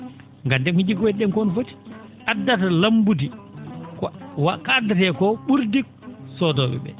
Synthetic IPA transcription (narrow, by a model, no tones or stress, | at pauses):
ŋɡandɛnkid͡ʒiɡwɛɗɛnkɔnfoti̥ʔadːatalambudikwakaːdːatɛkɔɓuɾdik | sɔdɔɓɛ̰ɓɛ̰